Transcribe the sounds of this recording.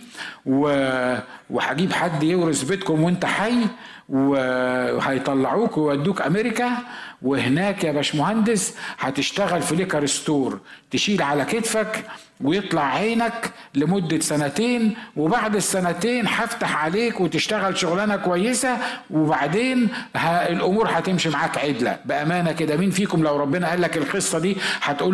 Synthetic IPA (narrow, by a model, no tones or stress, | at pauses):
we | weħaɡiːbħad̪ːjewɾesbet̪kʊmwent̪æħajː | wehɑjt̪ˤɑlːɑʕuːkwejwæd̪ːuːkʔæmeɾɪkæwehnæːkjæbæːʃmohænd̪ɪsħat̪ɪʃt̪æɣælfilekɑɾest̪oːɾˤt̪eʃiːlʕalæket̪fæk | wejet̪ˤlɑʕːeːnæklɪmod̪ːasænæt̪eːnwebaʕd̪esːænæt̪eːnħaft̪aħʕaleːkwet̪ɪʃt̪æɣælʃoɣlænækowæjːesæwebaʕd̪eːnhæelʔomuːɾħat̪emʃimaʕaːkʕed̪læ̰bɪʔæmæːnæked̪æmiːnfiːkomlæwɾˤɑbːenæʔæːlːækelqɨsˤːɑd̪iːħɑt̪ʔuː